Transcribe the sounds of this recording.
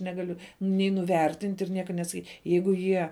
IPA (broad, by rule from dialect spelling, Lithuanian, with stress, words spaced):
nʲɛɡɐˈlʲʊ nʲɛɪ nʊˈʋʲɛrʲtʲɪnʲtʲ ɪr ˈnʲiɛkɐ nʲɛsɐˈkʲiːtʲ ˈjɛɪɡʊ ˈjiɛ